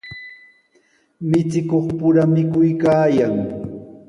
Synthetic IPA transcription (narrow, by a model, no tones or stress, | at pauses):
mɪt͡sɪkoχpʊɾamɪkʊjkaːjaŋ